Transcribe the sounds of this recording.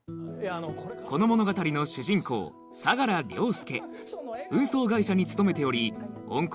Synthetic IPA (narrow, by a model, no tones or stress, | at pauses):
ko̞no̞mo̞no̞ɡat̪aɾʲino̞ɕɨʑĩŋko̞̰ː | saɡaɾaɾʲo̞ːsɨ̥ke̞̰ | ɯ̟̃ɰ̃so̞ːɡaiɕaɲ̟it͡sɨ̥t̪o̞me̞t̪e̞o̞ɾʲiõ̰ŋk